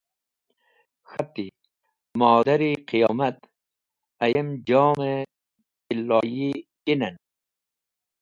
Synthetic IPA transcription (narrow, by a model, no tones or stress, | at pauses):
xɐt̪ːi | mɔːd̪aɾiqijɔːmɐt̪ | ɐjemd͡ʒɔːme | ilːɑːji | inɐn